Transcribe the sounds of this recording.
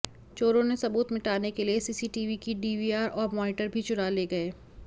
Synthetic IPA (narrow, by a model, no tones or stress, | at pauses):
t͡ʃoːɾõnesɐbuːt̪mɪʈaːnekeliesiːsiʈiːʋikiɖiːʋiaːɾɔːɾmɔːnɪʈəɾbʱit͡ʃʊɾaleːɡɐeː